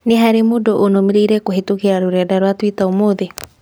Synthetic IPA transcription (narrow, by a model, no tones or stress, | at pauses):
neɦaɾemoːdoʔonomeɾeiɾɛkoɦetuɣeaɾoɾɛdaɾwatwitaomoðe